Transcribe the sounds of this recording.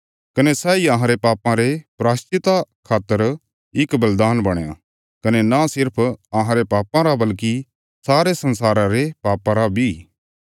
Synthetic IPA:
kɐnesɛːiɐɦãɾepaːpãɾepɾaːst͡ʃɪt̪akʰaːt̪ːəɾ | ɪkbɐld̪aːnbɐɽ̃eja̰ | kɐnenasɪɾpʰɐɦãɾepaːpãɾabɐlki | saːɾesɐ̃nsaːɾãɾepaːpãɾabʱi

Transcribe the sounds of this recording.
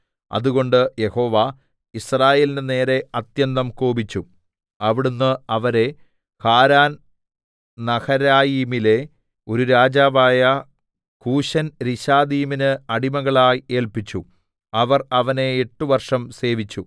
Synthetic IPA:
ɐ̰ðuɣo̞ɳɖɨje̞ho̞ːʋa | israːje̞ːlindɨne̞ːɾe̞ɐt̪jɐnːɐmkoːbit͡ɕːu | ɐʋiɽunːɨɐʋɐɾe̞ | kaːɾaːn | nɐhɐɾaːjiːmile̞ | o̞ɾuɾaːd͡ʑaːʋaːjɐ | kuːɕɐnɾiɕaːd̪iːminɨɐɽimɐɣɐɭaːje̞ːɭpit͡ɕːu | ɐʋɐrɐʋɐne̞eʈːuʋɐrʂɐmse̞ːʋit͡ɕːu

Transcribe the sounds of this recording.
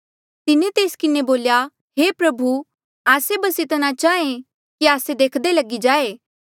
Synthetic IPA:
t̪ɪnẽt̪eːskɪneboːlja | ɦeːpɾɐbʱu | aːsebɐsɪt̪nat͡ʃaːẽ | kiaːsed̪eːkʰd̪elɐɡid͡ʒaːeː

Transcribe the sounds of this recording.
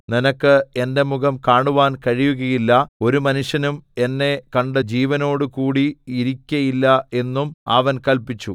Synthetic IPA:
ninɐkːɨe̞nde̞muɣɐmkaːɳuʋaːnkɐɻijuɣɐjilːɐo̞ɾumɐnuʂjɐnume̞nːe̞kɐɳɖɨd͡ʑiːʋɐno̞ːɽɨkuːɽiiɾikʲːɐjilːɐe̞nːumɐ̰ʋɐnkɐlpit͡ɕːu

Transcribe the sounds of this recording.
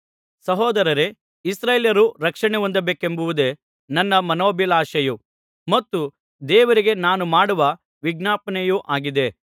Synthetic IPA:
sɐɦɔːd̪ɐɾɐɾe | isɾeːljɐɾuɾɐkʂɐɳeʋond̪ɐbeːkembuʋud̪e̞ | nɐnːɐmɐnoːbilaːʃɐju | mɐt̪ːu | d̪ɛːʋɐɾiɡe̞naːnumaːɽuʋɐ | ʋiɡnaːpɐɳejuʔaːɡid̪e̞

